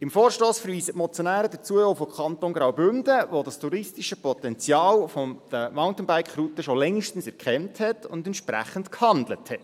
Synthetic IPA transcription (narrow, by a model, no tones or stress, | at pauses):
ɪmfoːɾʃtoːsfəɾʋiːsətmɔt͡sjonæːɾədət͡suəofokʰɑntoːnɡɾawbʏndəʋodɑstuɾɪstiʃəpɔtɛnt͡sjɑːlfod̥əmaʊntən̩bæɪkʰχrutəʃolɛŋːiʃtən̩sɛɾkχɛmthɛtʰʊ̰ndɛntʃpræ̰χən̩tkhɑndləthɛt